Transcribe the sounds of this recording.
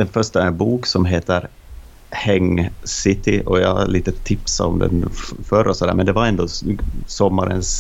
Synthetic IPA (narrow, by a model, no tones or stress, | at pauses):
d̪̥ɛnfœʂʈaæɾɛnbuːksɔmɦeːt̪əɾ | hɛŋsɪt̪ɪʔɔjɑa̰liːt̪ət̪ʰɪpsa̰ɔmd̪ɛ̰nfœɾɔsɔd̪æːmɛnd̪ɛvaɾɛnd̪oːsɔmːaɾə̰ns